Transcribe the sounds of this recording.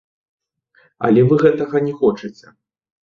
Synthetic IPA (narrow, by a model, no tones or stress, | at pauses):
ɐ̰lʲɛvɨɣɛt̪ɐɣɐnʲɛxɔt͡ʂɨt͡sʲɛ